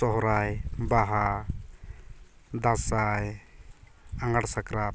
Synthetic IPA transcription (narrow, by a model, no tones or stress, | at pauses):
ɔɦɔɾajbaɦa | d̪ãsaj | aŋaɽsakɾa